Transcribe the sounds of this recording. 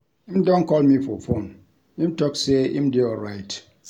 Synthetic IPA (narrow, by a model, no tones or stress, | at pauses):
imdɔ̃nkɔlmifɔfõn | imtɔkseḭm̩deɔlɹaɪt